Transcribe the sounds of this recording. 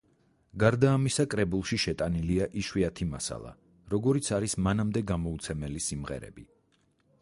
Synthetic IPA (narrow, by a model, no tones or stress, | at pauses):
ɡaɾd̪aːmisakʼɾɛbulˠʃiʃɛt̪ʼaniliaʔiʃwiat̪ʰimasa̰lˠa̰ | ɾɔɡɔɾit̪sʰaɾismanamd̪ɛɡamɔut̪sʰɛmɛlisimʁɛ̰ɾɛ̰bi